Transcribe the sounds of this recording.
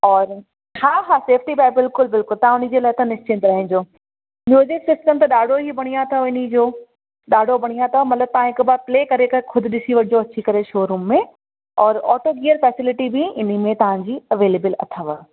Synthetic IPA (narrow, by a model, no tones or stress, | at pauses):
ɔːɾ | haːɦaːseːfʰʈibaːbɪlkʊlbɪlkʊlt̪ɐɦãʊnid͡ʑeːlɐt̪ɐnɪʃt͡ɕɪ̃nt̪ɾɐɦɪ̃ɲd͡ʑoː | mjuːzɪksɪsʈəmt̪ɐɗaːɖʱoɦibɐɽ̃ijãt̪ʰɐɪnid͡ʑoː | ɗaːɖʱobɐɽ̃ijãt̪ʰɐmɐt̪ləb̚t̪ɐʋãɦɪkbapleːkɐɾekɐkʰʊd̪ʱɪ̆ɗɪsiʋɐɽɪd͡ʑoɐt͡ɕʰikɐɾeʃoːɾuːmːẽ | ɔːɾɔ̰ːʈoɡiːəɾfɛːsɪlɪʈibɪɪn̤imẽt̪ɐʋ̤ãɲd͡ʑiːɐʋeːleːbəlɐ̰t̪ʰəʋə